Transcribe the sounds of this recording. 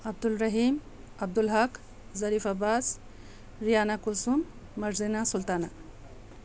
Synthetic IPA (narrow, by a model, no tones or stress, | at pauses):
ɐb̚d̪ulɾɐɦim | ɐb̚d̪ulɦɐk | zɐɾifabaːs | ɾijaːnakusumː | ɐɾzinasult̪ana